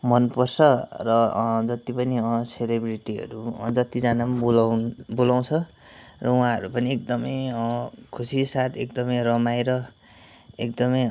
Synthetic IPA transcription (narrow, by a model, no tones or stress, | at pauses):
mʌnpʌrsʰʌrʌd͡zʌt̪ipʌniʌ̃selebriʈiɦʌ̰ɾṵd͡zʌt̪id͡zanamlbolaw̃t͡sʰʌ | rʌũãɦʌɾupʌniekd̪ʌmʌjʌkʰusisat̪ʰek̚d̪ʌmʌjrʌmajɾʌ | ekd̪ʌmʌj